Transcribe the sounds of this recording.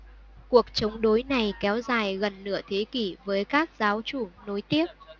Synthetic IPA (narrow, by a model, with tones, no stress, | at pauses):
ku˨˩ək̚t͡ɕə˨˦wŋ͡mɗo˨˦jna˨˩jkɛ˨˦wzaː˨˩jɣə˨˩nːɨ̰˧˩ət̪ʰe˨˦ki˧˩vəː˨˦jkaː˦˥k̚zaː˨˦wt͡ɕu˧˩no˨˦jt̪i˦˥əp̚